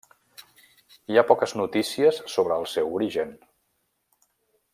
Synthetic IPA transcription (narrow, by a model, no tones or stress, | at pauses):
iapɔkəznut̪isiəsːoβ̞ɾəːlˠsɛwuɾiʒən